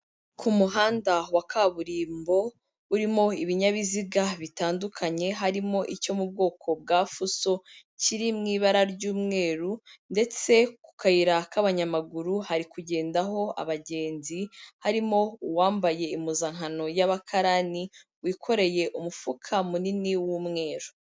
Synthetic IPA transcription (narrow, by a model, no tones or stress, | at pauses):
kʰumuɦaːndawakaβuɾiːmbo̞ | uɾimo̞iβiɲaβiziɡaβitaːndukʰaɲe̞ɦaɾimo̞ʔico̞mub̚ɡo̞ːkʰo̞bɡaːfuso̞ | ciɾimŋiːβaɾaɾɟuːmŋe̞ːɾunde̞t͡se̞ku̥kajiɾakaβaɲamaɡuɾuhaɾikuɟe̞ːndaɦo̞a̰βaɟe̞ːnzihaɾimo̞uwaːmbaje̞imuzaŋ̥ɦano̞jaβakʰaɾani | wiːkʰo̞ɾe̞je̞ʔumufukʰamuniniwuːmŋe̞ːɾu